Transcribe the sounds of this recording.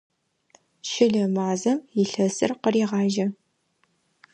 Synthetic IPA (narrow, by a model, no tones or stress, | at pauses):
ʃɪɮɐmaːzɐmjɪɬɐsɨrqəɾiːʁɑːʒɐ